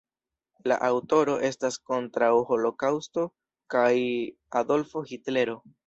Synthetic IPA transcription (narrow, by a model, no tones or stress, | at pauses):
la̰ʔawto̞ɾo̞ʔe̞stasko̞ntɾawho̞lo̞kawsto̞ | kaj | ado̞lfo̞hitle̞ɾo̞